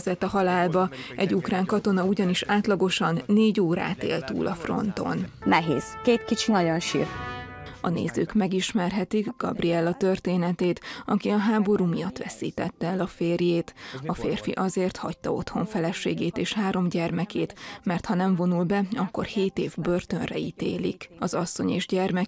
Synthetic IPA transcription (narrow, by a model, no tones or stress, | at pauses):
zɛt̪ɒɦɒlaːlbɒɛɟukraːŋkɒt̪o̞nɒuɟɒniʃaːt̪lɒɡo̞ʃɒnːeːɟoːɾa̰ːt̪ḛːlt̪ṵːlʔɒfro̞̰nt̪o̞̰nnɛɦḛːz̥keːt̪kit͡ʃinɒɟonʃḭːrkɒnḛːzø̰ːkmɛɡiʃmɛrɦɛt̪iɡɡ̥ɒ̰briɛlːɒt̪ørt̪eːnɛt̪eːt̪ɒkiɒɦaːbo̞ɾuːmijɒt̪ːʋɛsḭːt̪ɛt̪ːɛɛlɒfeːrjeːt̪ɒfeːrfḭʔɒzeːrt̪hɒc̚t̪ɒo̞̰t̪ho̞ɱfɛlɛʃeːɡeːt̪eːʃhaːɾo̞mɟɛrmɛkeːt̪mɛrt̪hɒnɛɱvo̞nulbɛɒkːo̞̰rheːt̪eːvbø̞rt̪ønrɛ̰it̪ḛːlḭkɒzɒsːo̞̰ɲeːʒɟɛrmɛ